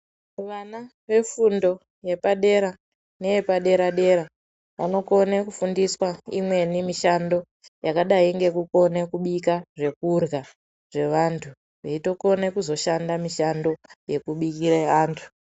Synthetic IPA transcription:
uʋana | ʋe̞fundo̞ | je̞paɗe̞ɾa | ne̞je̞paɗe̞ɾaɗe̞ɾa | ʋa̰no̞ko̞nekufundiswaḭmwe̞nimiʃando̞ | jakaɗaiŋɡe̞kuko̞nekuɓikaʐe̞kurɣa | ʐe̞ʋantʰu | ʋeito̞ko̞nekuzo̞ʃandamiʃando̞je̞kuɓikiɾeaːntʰu̥

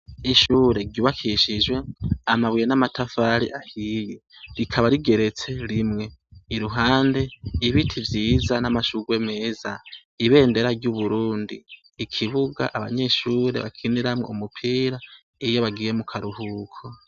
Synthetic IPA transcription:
iʃuːɾe̞ɾɟuːβakʰiʃid͡ʒwe̞amaβwijenamatʰafaɾḭʔahijeɾikʰaβaɾiɡe̞ɾe̞t͡se̞ɾimŋe̞iɾuɦaːnde̞iβitʰivjiːzanamaʃuɡwe̞me̞ːza | iβe̞ːnde̞ɾaɾɟuβuɾuːndiː | kʰiβuɡa̰ʔaβaɲe̞ʃuːɾeβa̰kʰiniɾamŋoumupʰiːɾa | ijo̞βaɡiːjemukʰaɾuhukʰo

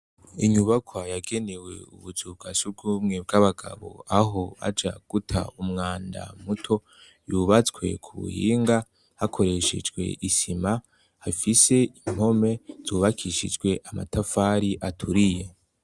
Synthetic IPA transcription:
iɲuβakʰwajaɡe̞newe̞̰ṵβuzub̚ɡasub̚ɡumŋe̞b̚ɡaβaɡa̰βo̞̰aɦo̞a̰d͡ʒa̰ɡ̥utʰa̰umŋaːnda̰mutʰo̞ | juβat͡swe̞̰kʰuβṵhiːŋɡa | hakʰo̞ɾe̞ʃḛd͡ʒɡwe̞̰ʔisima | hafise̞im̥ho̞me̞z̥uːβakʰiʃḭd͡ʒɡwe̞ʔama̰tafaɾiʔatʰuɾije̞

